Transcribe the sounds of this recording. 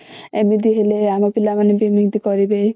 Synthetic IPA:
emid̪iɦeleamapilamanebimiŋd̪ikɔɾibe

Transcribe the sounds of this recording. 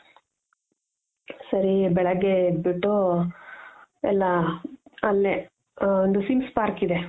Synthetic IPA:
sɐɾibɛɭɐɡebiʈːu | ɛlːa | ɐlːe | ond̪usimspaːɾkid̪e

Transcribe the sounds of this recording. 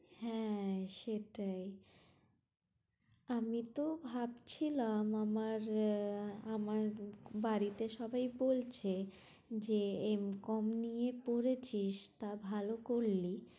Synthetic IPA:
hɛ̃ʃeʈaj | amit̪obʱabt͡ɕʰilamamaɾ | amaɾbaɾit̪eʃɔbʱajbolt͡ɕʰe | d͡ʑeemkɔmnijepoɾet͡ɕʰiʃt̪abʱalokoɾli

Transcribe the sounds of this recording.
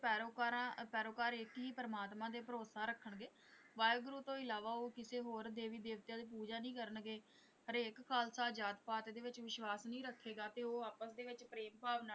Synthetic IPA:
pɛːɾoːkaːɾãːpɛːɾoːkaːɾekɦiːpəɾəmaːt̪mãːd̪eːpəɾoːsaːɾəkʰːəɳɡeː | ʋaːjɡɾuːt̪õːɪlaːʋaːoːkɪseːɦoːɾd̪eːʋiːd̪eːʋt̪jãːd̪eːpuːd͡ʒaːnĩːkəɾəɳɡeː | ɦəɾeːkkʰaːlsaːd͡ʒaːt̪paːt̪ːd̪eːʋɪt͡ʃʋɪʃʋaːsnĩːɾəkʰːeːɡaːt̪eːoːaːpəsd̪eːʋɪt͡ʃpɾeːmpaːʋna

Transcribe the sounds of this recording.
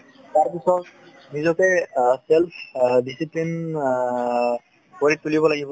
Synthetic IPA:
t̪aɹpisɔt | nizɔkɛselpʰdisiplin | koɹit̪ulibɔlaɡibɔ

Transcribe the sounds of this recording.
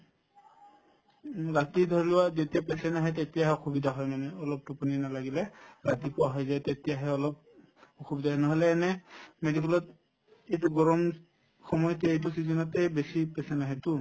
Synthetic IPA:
ɹatidʱɔɹilʊwazetiapɛsɛnaɦɛtetiaɦɛɔxʰubidʱaɦɔjmanɛɔlɔp̚tupɔninalaɡilɛɹatipʊwaɦɔjzajtetijaɦɛɔlɔp̚ | oxubidʱaɦɛnɔɦɔlɛːnɛmedik̬ɛlɔt | ejtuɡɔɹɔm | xɔmɔjɔtɛejt̬usizɔnɔtɛbesipɛsɛnaɦɛtʊ

